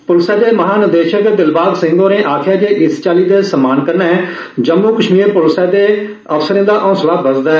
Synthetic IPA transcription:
pʊlsɛːd̪eːməɦaːnɪd̪eːʃək̚deːd̪ɪlbaːɡ̪sɪ̃ŋɡõːɾẽːʔaːkʰjaːd͡ʒeːʔɪst͡ʃaːliːd̪eːsəmaːnkəɾnɛ | d͡ʒəmːuːkəʃmiːɾpʊlsɛːd̪eː | əfsəɾẽːd̪aːʔɔ̃ːslaːbəsd̪aːɛ

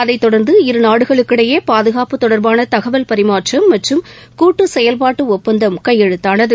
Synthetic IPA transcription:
ɐðɐɪt̪ːɔɽɐɾnd̪ɯɪɾɯnaːɽɯɣɐɭɯkːɪɽɐjeːpaːðɯɣaːpɯt̪ːɔɽɐɾbaːnɐt̪ɐɣɐʋɐlpɐɾɪmaːʈrɐmːɐʈrɯm | kuːʈːɯsɛjɐlpaːʈːɯɔpːɐnd̪ɐmkɐjɛɻɯt̪ːaːnɐðɯ

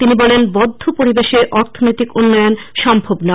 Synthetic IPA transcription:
t̪inibɔlenbɔd̪ʱːopoɾibeʃeɾʔɔɾt̪ʰonojt̪ikunːɔjonʃɔmbʱobna

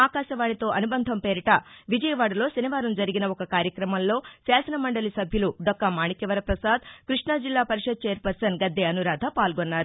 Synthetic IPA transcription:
aːkaːʃɐʋaːɳit̪o̞ːʔɐnubɐnd̪ʱɐmpeːɾiʈɐʋid͡ʒɐjɐʋaːɽɐlo̞ːsɐniʋaːɾɐmd͡ʒɐɾiɡinɐɔkɐkaːɾjɐkɾɐmɐmlo̞ːsaːsɐnɐmɐɳɖɐlisɐbʱjɐluɖɔkːɐmaːɳikɛʋɐɾɐpɾɐsaːd̪̚kɾiʂɳad͡ʒilːaːpɐɾiʂɐd̪̚t͡ʃeːɐɾpɐɾsɐnɡɐd̪ːeɐnuɾaːd̪ʱɐpaːlɡonːaːɾu

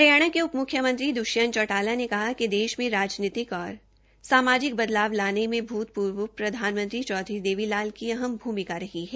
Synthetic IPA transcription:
pɐɾjaːɽ̃akeʊpmʊkʰjəmə̃nt̪ɾid̪ʊʃjənt͡ʃɔːʈaːlanekɐɦakid̪eːʃmẽɾaːd͡ʒniːt̪ɪkɔːɾ | saːmaːd͡ʒɪk̚bɐd̪laːʋlaːnemẽbʱuːt̪̚puːɾʋəpɾɐd̪ʱaːnmə̃nt̪ɾit͡ʃɔːd̪ʱɾid̪eːʋilaːlkiɐɦəmbʱuːmɪkaɾɐɦiɦɛː

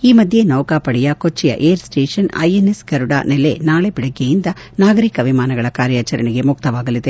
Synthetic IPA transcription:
iːmɐd̪ʱje̞nɐwkaːpɐɽɛjɐkot͡ʃːijɐ̰ʔeːɾsʈeːʂɐnɐ̰jenesɡɐɾuɽa̰ːnɛlḛnaːɭebiɽɐɡːejind̪ɐnaːɡɐɾikɐʋimaːnɐɡɐɭɐkaːɾjaːt͡ʃɐɾɐɳiɡe̞muk̚t̪ɐʋaːɡɐlid̪e̞

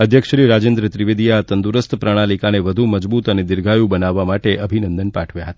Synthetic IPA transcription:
əd̪ʱjəkʃɾiɾad͡ʒẽnd̪ɾət̪ɾiʋed̪ijat̪ənd̪uɾəst̪ʰpɾəɽ̃alikaneʋəd̪ʱuməd͡ʒbut̪əned̪ɪɾɡʱajũbənaʋːamaʈeʔəbʱinənd̪ənpaʈʰʋjaɦət̪ḁ

